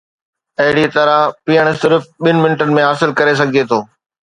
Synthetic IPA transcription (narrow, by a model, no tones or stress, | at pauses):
ɐɦɪɽit̪ɐɾapiːəɽ̃sɪɾfɓɪnɪ̆mɪnʈənɪ̆mẽɦaːsɪlkɐɾes̬ɐɡʱɪd͡ʑet̪ʰoː